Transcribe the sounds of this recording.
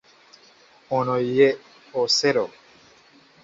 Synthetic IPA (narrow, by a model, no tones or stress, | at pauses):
onoije | oseɾo